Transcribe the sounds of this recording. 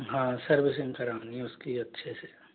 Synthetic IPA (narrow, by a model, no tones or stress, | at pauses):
ɦãːsɐɾbɪsɪ̃ŋɡkɐɾãːniʊskiɐtːʃʰese